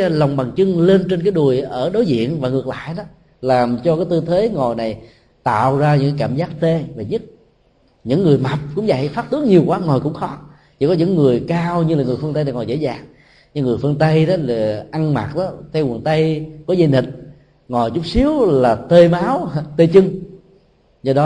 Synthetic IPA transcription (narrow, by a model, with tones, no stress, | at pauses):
la˨˩wŋ͡mɓa˨˩ŋt͡ɕɨ˧ŋle˧nt͡ɕe˧nkaː˨˦jɗu˨˩əjʔəː˧˩ɗo˨˦jzḭ˧˨ənvaː˨˩ŋɨ˨˩ək̚la̰ː˧˨jɗɔ˨˦ | laː˨˩mt͡ɕɔ˧kaː˨˦jt̪ɨ˧t̪ʰwe˨˦ŋɔ˨˩jna˨˩j | t̪a̰ː˧˨wzaː˧ɲɨ̰˧˥ŋkaː˧˦jkaː˧˩mzaː˦˥k̚t̪e˧ve˨˩ɲɨ˦˥t̚ | ɲɨ̰˧˥ŋːɨ˨˩əjma˨˩p̚kʊ̰˧˥ŋ͡mza̰˧˨jfaː˦˥t̚t̪ɨ˨˦əŋ̚ɲi˨˩əwkwaː˨˦ŋɔ˨˩jkʊ̰˧˥ŋ͡mxɔ˨˦ | t͡ɕi˧˩kɔ˨˦ɲɨ̰˧˥ŋːɨ˨˩əjkaː˧wɲɨ˧laː˨˩ŋɨ˨˩əjfɨ˧ŋt̪ə˧jna˨˩ŋɔ˨˩jzḛ˧˥zaː˨˩ŋ | ɲɨ˧ŋɨ˨˩əjfɨ˧ŋt̪ə˧jɗɔ˨˦la˨˩ʔa˧ŋma̰˨˩t̚ɗɔ˨˦t̪ʰɛ˧wnt̪ə˧jkɔ˨˦zə˧ni˨˩t̚ | ŋɔ˨˩jt͡ɕʊ˦˥k͡p̚si˨˦əwlaː˨˩t̪e˧maː˨˦wt̪e˧t͡ɕɨ˧ŋ | zɔ˧ɗɔ˨˦